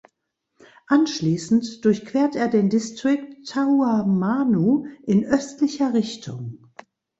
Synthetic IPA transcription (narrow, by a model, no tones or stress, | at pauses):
ʔanʃliːsn̩td̥ʊɐçkv̥eːɐteːɐdeːndɪstʁ̥ɪk̚tʰːauamaːnuːʔɪnʔœstlɪçɐʁɪçtʰʊ̰ŋ